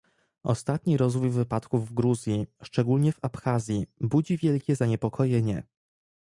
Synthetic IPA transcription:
ɔ̰st̪at̪ɲiɾɔzvujvɘpat̪kuvːɡɾuzʲjiʂt͡ʂɛɡulɲɛvapxazʲjibud͡ʑivʲjɛlkʲɛzaɲɛpɔkʰɔjɛɲɛ̰

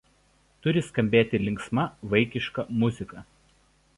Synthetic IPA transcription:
t̪ʊɾʲɪskɐmʲbʲeːt̪ʲɪlʲɪŋksmɐʋɐɪkʲɪʃkɐmʊzʲɪkɐ

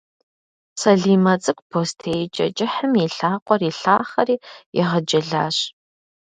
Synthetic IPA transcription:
sɐɮiːmɐt͡sʼɨkʷpʰoːstʰejt͡ʃʼɐ̰t͡ʃʼɪħəmiɬaːqʷʼɔriɬaːχɐriːɪ̰ʁəd͡ʒɪɮa̰ːɕ

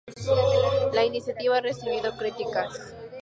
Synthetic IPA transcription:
lainisjat̪iβaaresiβiðokɾit̪ikas

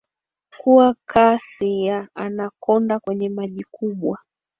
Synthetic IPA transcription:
kuakʰasijaanakɔndakwɛɲɛmaʄikuɓwa

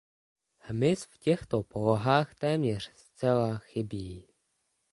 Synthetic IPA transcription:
hmɪsfcɛxt̪opoloɦaːxt̪ɛːmɲɛr̝̥st͡sɛlaxɪbiː

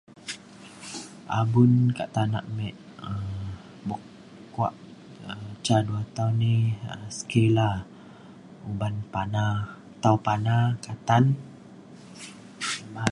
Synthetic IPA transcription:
ʔa̰bunkaʔt̪ana̰ʔmɛʔ̚ | ə | bɔk | kwa̰ʔ | ət͡ʃaduat̪auniəsə̥kela | ubanpana | t̪awpanakat̪an | ba

